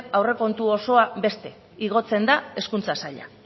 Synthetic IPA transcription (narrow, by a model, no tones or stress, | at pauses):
awre̞ko̞nt̪uo̞so̞abe̞st̪e̞ | iɣ̞o̞t͡se̞nd̪ae̞skunt͡sasaʎa̰